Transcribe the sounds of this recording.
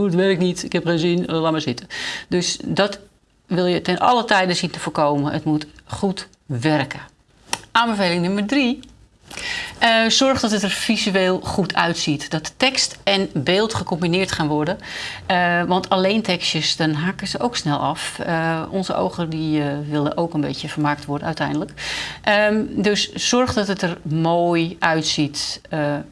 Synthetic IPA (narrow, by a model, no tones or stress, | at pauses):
uətʋɛrɪknitɪkhɛpχənzinlaməsɪtədøsdɔt | ʋɪlˠjətɛnɔ̰lətɛjdəsintəfoːkoːməʔə̰tmutχut | ʋɛrkə | ʔaːmbəfeːlɪŋnømərdri | əzɔrχdɔtətərfizyeːlˠχutʰœ̰ɥtsitd̥ɔtːɛkstɛnbeːlˠtχəkɔmbinɪːrtχaːnʋɔɹdəəʋɔntʰaleːntʰɛkstjəsdɔnɦaːkəzəʔowksnɛlˠɔfəɔnzəʔo̰wɣərdiʋɪlˠə̰ʔoːkənbḛːtjəfərmaːk̚tʋɔrdəœɥtɛ̰jndələkʔədøsːɔrχdɔtətərmoːjʔœɥtsitə